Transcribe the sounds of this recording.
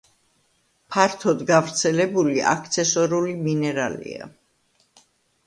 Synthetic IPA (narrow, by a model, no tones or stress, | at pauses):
pʰaɾt̪ʰɔd̪ɡavɾt̪sʰɛlɛbuliʔa̰kʰt̪sʰɛsɔɾuliminɛɾalḭa̰